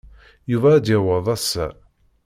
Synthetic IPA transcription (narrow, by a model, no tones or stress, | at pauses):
juvæːd̪jæwəðˤæsːæ̰